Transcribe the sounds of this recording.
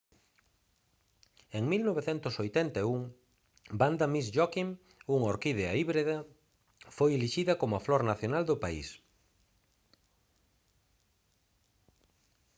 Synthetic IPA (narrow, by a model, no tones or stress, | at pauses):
eŋmilnoβeθɛnt̪ʊsojt̪ɛnt̪auŋ | band̪ɐmisʒɔkiŋ | uŋoɾkiðeaiβɾeðɐ | fojeliʃiðɐkomʊaflɔɾnaθjonald̪ʊpaḭs